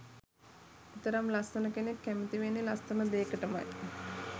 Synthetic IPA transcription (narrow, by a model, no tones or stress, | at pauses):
ut̪əɾamlast̪ənəkenekːæmit̪iʋenːelast̪ənəd̪eːkəʈəma̰j